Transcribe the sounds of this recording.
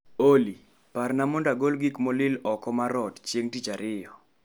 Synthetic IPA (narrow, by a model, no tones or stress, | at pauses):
oli | parnamɔndaɡolɡikmɔlɪlɔkɔmaɾɔtt͡ʃjeŋtit͡ʃaɾɪjɔ